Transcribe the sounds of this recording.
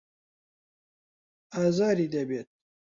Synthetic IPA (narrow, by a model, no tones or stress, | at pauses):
aːzaːɾiːd̪ɐbeːt̪̚